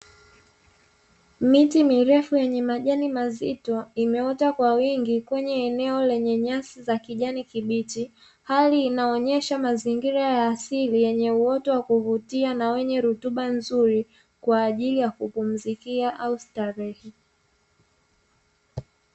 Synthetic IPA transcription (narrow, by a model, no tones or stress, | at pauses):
mitimiɾɛfujɛɲɛmaʄanimazitɔimɛɔtakwawiŋɡikwɛɲɛːnɛɔlɛɲɛɲasizakiʄanikiɓiti | haliːnaɔɲɛʃamaziŋɡiɾajaːsilijɛɲɛuɔtɔwakuvutianawɛɲɛɾutuɓanzuɾi | kwaːʄilijakupum̩zikiaʔaustaɾɛhi